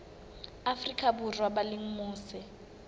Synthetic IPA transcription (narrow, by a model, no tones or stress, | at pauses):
afrikʼaburwabalɪŋ̩muːsɪ